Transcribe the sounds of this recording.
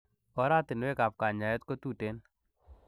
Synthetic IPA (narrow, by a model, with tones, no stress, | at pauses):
ɔ˦ɾa˦t̪ɪ˨nwe˦ka˨p̚ka˨ɲa˨jɛ˦t̪ko˦t̪u˦te˦n